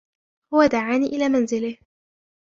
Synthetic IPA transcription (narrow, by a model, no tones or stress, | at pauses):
hʊwad̪aʕaːniːʔɪlaːmanzɪlɪh